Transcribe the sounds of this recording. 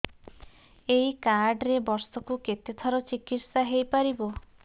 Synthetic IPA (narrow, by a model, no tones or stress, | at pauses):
eikaɾɖɾebɔɾsɔkuket̪et̪ʰɔɾɔt͡ʃikit̪saɦejpaɾibɔ